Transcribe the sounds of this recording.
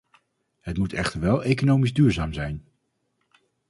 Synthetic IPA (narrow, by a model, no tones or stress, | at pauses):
ɦətmutɛχtəɹʋɛlˠejkonowmizdyːɹzaːmzɛjn